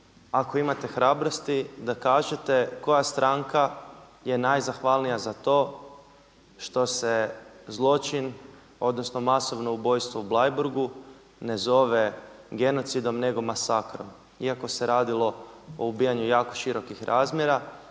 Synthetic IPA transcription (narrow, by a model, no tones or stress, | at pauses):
ako̞imat̪e̞xɾaːbɾost̪id̪akaːʒet̪e̞ko̞jast̪ɾʔaŋka | je̞najzaxʋalˠnijazat̪o̞ː | ʃt̪o̞se̞zlˠo̞t͡ʃin | o̞d̪no̞sno̞maso̞ʋno̞ubo̞jst̪ʋoublˠajbuɾɡu | ne̞zo̞ʋe̞ɡe̞no̞t̪sid̪o̞mne̞ɡo̞masakɾo̞m | iako̞se̞ɾaːd̪ilˠo̞o̰ubijaɲujaːko̞̥ʃiɾo̞kixɾʔaːzmʲjeɾa